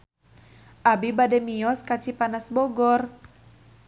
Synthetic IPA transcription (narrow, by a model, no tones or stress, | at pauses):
ʔabibadɛmiɔskat͡ʃipanasbɔɡɔr